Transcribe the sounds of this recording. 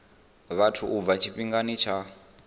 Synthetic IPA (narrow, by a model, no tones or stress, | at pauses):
βatʰuʔub̪vat͡ʃʰiɸiŋɡanit͡ʃʰa